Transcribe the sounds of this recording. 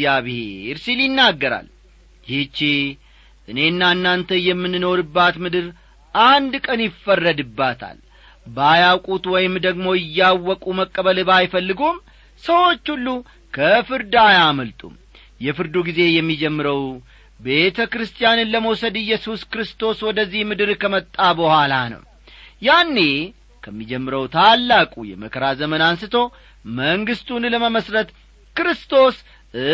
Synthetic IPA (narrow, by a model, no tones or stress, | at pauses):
aβheɾsiljɪnːaɡːəɾa̰l | jit͡ʃːi | ʔɨne̞ɨnːaɨnːant̪ʰəjɛmːɨnno̞ɾɨbːat̪mɨd̪ɨɾ | ʔand̪kʼənjɪfːərːəd̪ɨbːat̪ʰa̰l | bajawkʼut̪wɔjɪmd̪əɡmo̞ɪjːawːɔkʼuməkʼːəβəlɨbajfəlːɨɡom | səwo̞t͡ʃːulːu | kʰəfɨɾd̪ajaməlt̪ʼṵm | jɛfɨɾd̪uɡize̞jɛmːid͡ʒɛmːɨɾəw | be̞t̪ʰəkɾɨst̪ʼjanɨnləməwsəd̪ɨjːɛsuskɨɾɨst̪o̞swɔd̪əzːihmɨd̪ɨɾkʰəmət̪ʼːabəhʷalanə̰w | janːe̞ | kʰəmːid͡ʒɛmːɨɾəwt̪ʰalːakʼujɛ̰məkʰəɾazəmənansɨt̪ʰo̞ | məŋɡɨst̪ʰunləməməsɾət̪ | kɨɾɨst̪ʰo̞s